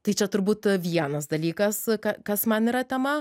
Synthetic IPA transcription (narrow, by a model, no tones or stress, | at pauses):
t̪ɐɪt͡ʃʲɛt̪ʊɾbuːt̪ʋʲiɛnɐs̬d̪ɐlʲiːkɐskɐkɐsmɐniːɾɐt̪ʲɛmɐ